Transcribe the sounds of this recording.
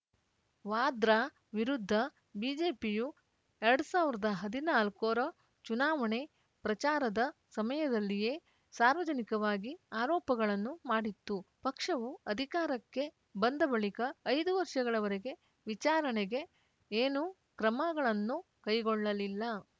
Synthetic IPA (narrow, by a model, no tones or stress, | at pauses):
ʋaːd̪ɾaː | ʋiɾud̪ʱːɐ | biːd͡ʒe̞ːpiju | eɾɐɽusaːʋiɾɐd̪ɐɦɐd̪inaːlkoːɾɐ | t͡ʃunaːʋɐɳe̞ | pɾɐt͡ʃaːɾɐd̪ɐsɐmɐjɐd̪ɐlːije̞ː | saːɾʋɐd͡ʒɐnikɐʋaːɡiaːɾɔːpɐɡɐɭɐnːumaːɽit̪ːupɐkʂɐʋuɐd̪ʱikaːɾɐkːe̞ | bɐnd̪ɐbɐɭikɐːjd̪uʋɐɾʂɐɡɐɭɐʋɐɾeɡe̞ | ʋit͡ʃaːɾɐɳeɡe̞ | eːnu | kɾɐmɐɡɐɭɐnːu | kɐjɡɔɭːɐlilːɐ